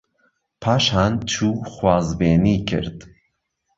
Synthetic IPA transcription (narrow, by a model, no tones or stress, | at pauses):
pʰaːʃaːnt͡ʃʰuːxwaːzbeːnikʰɨ̰ɾd̪